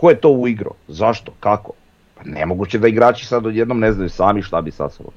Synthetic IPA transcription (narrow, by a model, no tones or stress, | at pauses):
kojet̪o̞uiɡɾo̰zaʃt̪o̥kako | panḛmoɡut͡ɕed̪aiɡɾaːt͡ʃi̥sad̪ojed̪nomneznajusaːmiʃt̪abisa̰so̰o̰